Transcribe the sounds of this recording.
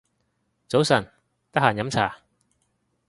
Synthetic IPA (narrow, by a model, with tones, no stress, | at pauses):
t͡so˨˥wsɐ˨˩n | t̪ɐ˥haː˨˩njɐ˨˥mt͡sʰa̰ː˨˩